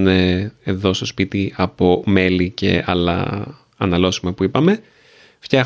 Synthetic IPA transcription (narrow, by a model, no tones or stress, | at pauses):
neeðo̞st̪o̞spit̪iɐpo̞me̞lice̞̰ɐ̰lɐ̰ | ɐnɐlo̞simɐpuipɐme̞ | fçɐx